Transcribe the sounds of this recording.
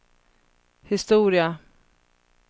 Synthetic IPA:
hɪst̪uːɾɪa

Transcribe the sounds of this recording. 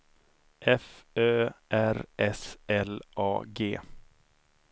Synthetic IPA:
ʔɛføːʔæɾɛsɛlʔɑ̰ːɡeː

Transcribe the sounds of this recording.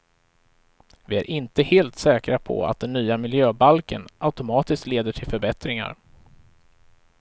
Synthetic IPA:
vɪæ̰ɾʔɪnt̪əheːlt̪sɛːkɾapʰɔ̰a̰t̪̚d̪ɛnːyːamɪljøːbalkə̰nʔaʉt̪ʊmɑːt̪ɪskt̪leːd̪əʈʰɪlfœɾbɛt̪ɾɪŋa̰ɾ

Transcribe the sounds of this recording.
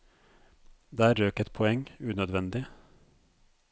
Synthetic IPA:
d̪eːæːɾɾøːkət̪pʰɔɛŋʉːnœd̪ʋɛnd̪ɪ

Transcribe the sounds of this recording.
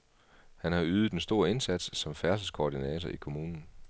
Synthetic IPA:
hænhɑ̈yːð̞̩ˠd̥ensd̥o̝ːɐe̝nsæd̥sːɒ̽mfæɐslskʰoːd̥inɛ̰ːt͡sʰɐʔikʰo̝muːnn̩

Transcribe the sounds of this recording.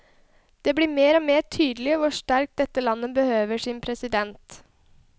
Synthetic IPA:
d̪̥ɛːbliːmeːɾɔːmeːt̪ʰyːd̪əlɪɔʋʊɾʂʈæɾk̚t̚d̪ɛt̪ːəlɑnːəbəhøːʋəʂɪnpʰɾɛsɪd̪ɛnt̪

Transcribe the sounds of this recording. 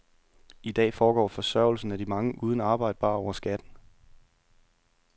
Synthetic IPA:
id̥ɛ̰ːfɒːɡ̥ɒ̰ːfɒ̽sɶɐ̰ʊl̩sn̩æd̥imɑ̈ŋəʔuːð̞ˠn̩ɑ̈ːb̥ɑ̈ɪ̰d̥ə̥b̥ɑ̰̈ːɒʊɐsɡ̥æd̥n̩

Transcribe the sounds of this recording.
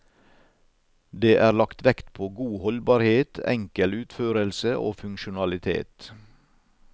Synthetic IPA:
d̪eːʔæːɾlɑkt̪ʋɛkt̪pʰoːɡuːhɔlbɑːɾheːt̪ɛ̰ŋkəlʉːt̪føːɾəlsəʔo̰ːfʉŋʃʊnɑlɪt̪ʰḛːt̪

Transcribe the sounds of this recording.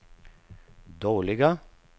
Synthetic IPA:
d̪oːɭɪɡa

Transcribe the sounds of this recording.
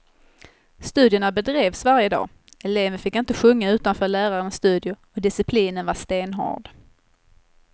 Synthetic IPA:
st̪ʉ̟ːd̪jəɳabɛd̪ɾeːvsvaɾjəd̪ɑ̰ː | ɛleːvəfɪkːɪnt̪əɧɵŋːaʉ̟ːt̪anfœːɭæːɾaɾənsst̪ʉ̟ːd̪jʊ | ɔd̪ɪsɪpʰliːnənvaʂt̪eːnɦɔ̰ːɖ

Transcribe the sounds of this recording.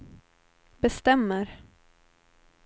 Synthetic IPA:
bɛst̪ɛmːəɾ

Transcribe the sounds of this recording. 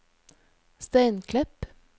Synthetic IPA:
st̪æɪnkʰlɛp

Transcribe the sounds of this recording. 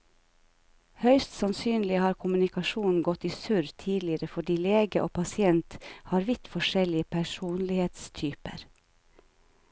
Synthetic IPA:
hœʏst̪sɑnsyːnlɪhɑːɾkʰʊmʉnɪkɑʃuːnn̩ɡɔt̪iːsʉɾt̪ʰiːlɪəɾəfɔɖiːleːɡəʔo̰ːpʰɑsɪɛnt̪hɑːɾʋɪt̪fɔʃɛlɪəpʰæʃuːnlɪheːt̪st̪ʰyːpə̰ɾ

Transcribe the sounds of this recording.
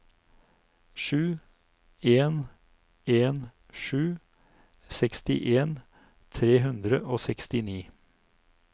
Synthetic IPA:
ʃʉː | eːn | eːn | ʃʉː | sɛkst̪ɪ̰ʔeːn | t̪ʰɾeːhʉnd̪ɾəʔoːsɛkst̪ɪniː

